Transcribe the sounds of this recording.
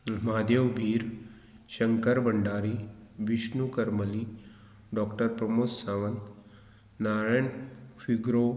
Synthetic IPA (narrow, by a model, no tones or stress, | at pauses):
maːd̪eʋbʱiːɾ | ʃɐŋkəɾbɐɳɖaːɾiʋɪʃnukɐɾməli | ɖɔːkʈəɾpɾɐmoːsaʋənt̪ | naːɾajɳfʰiɡɾo